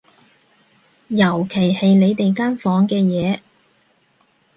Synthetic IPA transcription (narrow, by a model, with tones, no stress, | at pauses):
jɐ˨˩wkʰe˨˩jhe˨jle˨˧jt̪e˨jkaː˥nfɔː˨˥ŋkɛː˧jɛː˨˧